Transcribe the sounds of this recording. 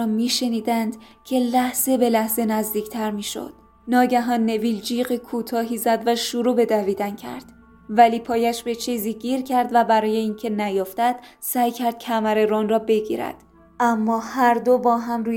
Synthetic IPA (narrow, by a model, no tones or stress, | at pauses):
ɒːmiːʃe̞niːd̪ænd̪̥cʰe̞læhz̥e̞be̞læhze̞næzd̪iːcʰt̪ʰæɾmiːʃo̞̰d̪̥ | nɒːɟæɦɒːnːe̞viːld͡ʒiːɢekʰuːt̪ʰɒːɦiːzæd̪væʃuɾuːbe̞d̪æviːd̪æncʰæ̰ɾd̪̥ | væliːpʰɒːjæʃbe̞t͡ʃʰiːziːɟiːɾcʰæɾd̪væbæɾɒːje̞iːncʰe̞næjoft̪æd̪̥sæjcʰæɾd̪̥̚cʰæmæɾe̞ɾɔnrɒːbe̞ɡḭːɾæ̰d̪̥ | ʔæmːɒːhæɾd̪o̞bɒːɦæmruː